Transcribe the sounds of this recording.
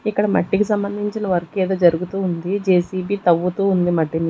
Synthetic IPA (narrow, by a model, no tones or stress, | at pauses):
ikːɐɽɐmɐ̰ʈːikisɐmbɐnd̪ʱiɲt͡ʃinɐʋɐɾɐkeːd̪oːd͡ʒɐɾuɡut̪uːnd̪id͡ʒeːsiːbiːt̪ɐʋːut̪uːund̪imɐʈːini